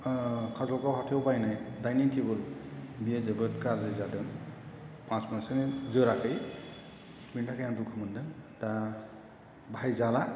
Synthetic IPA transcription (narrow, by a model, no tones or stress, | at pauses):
kʰazɔlɡawhatʰiwbajnajdajnitʰibɯlbijezɯbɯt̚kaɾzɯjzadɯn | pãsmasɯnezɯɾakʰɯj | bintʰakʰajaŋdukʰɯmɯndɯŋda | bajzala